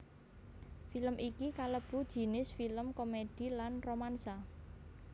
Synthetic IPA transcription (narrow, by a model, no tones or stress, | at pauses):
filəmʔikikaləb̥ṳd̥ʒ̥i̤nɪsfiləmkomed̥i̤lanromansa